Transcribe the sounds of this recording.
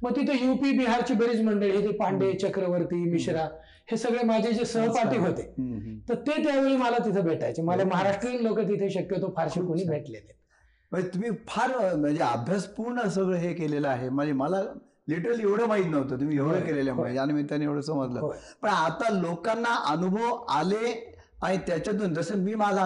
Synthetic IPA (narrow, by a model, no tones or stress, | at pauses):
məɡ̚t̪it̪ʰəjupiːbiɦaɾt͡ɕiːbəɾid͡ʑməɳɖeɭiɦit̪ʰepaɳɖet͡ɕəkɾəʋəɾt̪iːmiɕɾa | hesəɡɭemad͡ʑʱed͡ʑesəɦpaʈiːɦot̪et̪əɾt̪et̪jaʋeɭiːməlat̪it̪ʰəbʱeʈajt͡seməd͡zeməɦaɾaʂʈɾiːklokət̪̬it̪ʰeɕəkjət̪ofʰaɾɕekoɽ̃iːbʱeʈlele | m̤əet̪umiːfʰaɾməd͡ʑeabʱjaspuɾɳəs̬əɡɭəɦekeleləaɦeməɳd͡zeməla | liʈəɾəlieʋɽəːmaɦit̪nəʋt̪əːt̪um̤iːeʋɽəkeleljamɦəeanmit̪janeʋɽ̤əsəməd̪lə̰ːɦopəɳat̪alokanːaʔənubʱəʋale | aɽ̃it̪jat͡ɕjat̪̬uːnd͡z̪əsəmiːmala